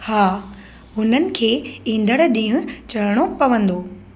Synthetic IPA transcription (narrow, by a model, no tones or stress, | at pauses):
haː | ɦʊn̤ənɪ̆kʰeːĩːn̆d̪əɽ̃ɗĩːũt͡ɕɐlɽ̃opɐʋə̃nd̪oː